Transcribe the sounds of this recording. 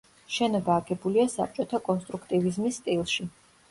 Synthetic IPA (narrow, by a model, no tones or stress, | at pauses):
ʃɛnɔbaːɡɛbuliasa̰p̚ʰt͡ʃʼɔt̪ʰakʼɔnst̪ʼɾukʰt̪ʼivizmisːt̪ʼilˠʃi